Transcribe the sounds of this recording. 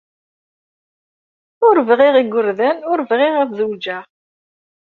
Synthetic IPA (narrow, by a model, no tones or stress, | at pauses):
ʊɾvʁiʁiɡʷʊɾðænʊɾvʁiʁɑθðuwd͡ʒæ